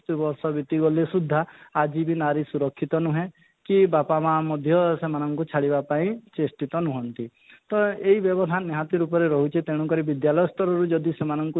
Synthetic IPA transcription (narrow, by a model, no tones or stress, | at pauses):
t̪ubɔɾsɔbit̪iɡɔlesud̪ʱːaːd͡ʒibinaɾisuɾɔkʰːit̪ɔnuɦẽ | kibapamamɔd̪ʱjɔsemanɔŋkut͡ʃʰaɽibapaĩt͡ʃesʈit̪ɔnuɦɔnt̪i | t̪ɔeibjɔbɔd̪ʱanːeɦat̪iɾupɔɾeɾɔɦut͡ʃʰit̪eɽ̃ukɔɾibid̪jalɔjɔst̪ɔɾɔɾud͡ʒɔd̪isemanɔŋku